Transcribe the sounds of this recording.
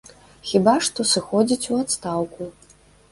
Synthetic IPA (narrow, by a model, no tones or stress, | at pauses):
xʲibaʂt̪ɔsɨxɔd͡zʲit͡sʲuat̪st̪awku